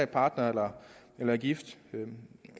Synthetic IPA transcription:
pʰɑ̈ːd̥nɐelɐelɐɡ̥ifd̥

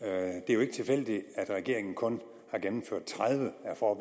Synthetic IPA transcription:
d̥e̝æjoe̝ɡ̥ə̥t͡sʰe̝fel̰d̥iæd̥ʁɛɡ̥e̝ɐe̝ŋn̩kʰɔ̽n | hɑ̈ɡ̥emm̩føɐ̰d̥̚t͡sʰʁaðˠʋəæfɒːb̥

